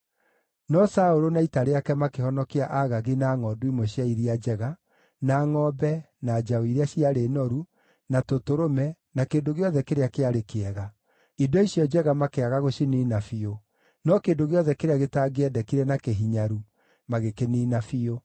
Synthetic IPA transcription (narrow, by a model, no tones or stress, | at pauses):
nɔsaoɾonaitaɾeakɛmakehɔnɔkiaʔaɣaɣinaːŋɔduimoɕiaiɾiad͡ʒɛɣa | naːŋɔːbɛ | nad͡ʒaoiɾeaɕiaɾenɔɾu | natotoɾomɛ | nakeːdoɣeɔðɛkeɾeakeaɾekeɛɣa | idɔisjɔd͡ʒɛɣamakeaɣaɣoɕiniːnafio | nɔkeːndoɣeɔðɛkeɾeaɣetaːɡeɛdɛkiɾɛnakeɦiɲaɾu | maɣekeniːnafio